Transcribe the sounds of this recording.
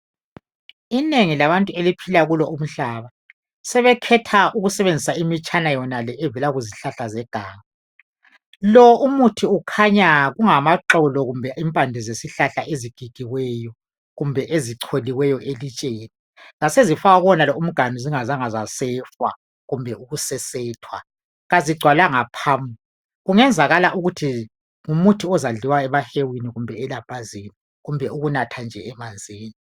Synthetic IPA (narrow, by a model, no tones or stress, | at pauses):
ineŋilaβantʼuelipʰilaɣulɔʔum̩ɬaːβa | sɛβɛkʰɛtʰaʔuɣusɛβend͡zʱisaimit͡ʃʼanajɔnalɛʔɛvɛlaɣuziɬaɬazɛɡ̥ʱaːŋa | lɔʔumutʰiukʰaɲaɣuŋamaǃɔlɔɣumbʱɛʔimpʼandʱizesiɬaɬaʔeziɡ̥ʱiɡ̥ʱiwɛjɔ | ɣumbʱɛʔeziǀʰoliwɛjɔʔelit͡ʃʼeːni | ɣasezifaɣaɣɔnalɔum̩ɡ̥ʱanuziŋazaŋazasɛːfwa̰ | ɣumbʱɛuɣusɛsɛːtʰwa̰ | ɣaziɡ͡ǀʱwalaŋapʰaːmbʱu | ɣuŋɛnd͡zʱaɣalaʔuɣutʰi | ŋumutʰiɔzaɮiwaɛβahewiniɣumbʱɛɛlapʰʼaziːni | ɣumbʱɛuɣunatʰand͡ʒʱɛ̰ɛmand͡zʱeːni